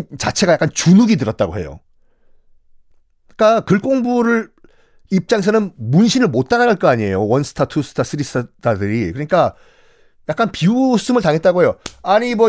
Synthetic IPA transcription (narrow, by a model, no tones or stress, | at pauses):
t͡ɕat͡ɕʰe̞ɡajak͈ant͡ɕunuɡidɯɾʌt̚t͈aɡoɦe̞jo̰ | k͈akɯɭk͈oŋbuɾɯ | ip̚t͡ɕ͈aŋes̬ʰʌnɯnmunɕʰinɯɭmot̚t͈anadaɭk͈ʌaɲie̞jowʌns͈ʰɯ̥tʰatʰus͈ʰɯ̥tʰas͈ɯɾis͈dadɯɾikɯɲik͈a | jak͈anpius͈ɯmɯɭtaŋɦe̞t̚t͈aɡoɦe̞joaɲimwʌ